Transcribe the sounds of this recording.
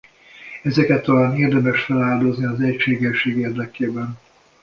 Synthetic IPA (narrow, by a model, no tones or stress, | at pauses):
ɛzɛkɛt̪ːɒlaːneːrd̪ɛmɛʃfɛlaːld̪o̞zniɒzɛcʃeːɡɛʃːeːɡeːrd̪ɛkeːbɛn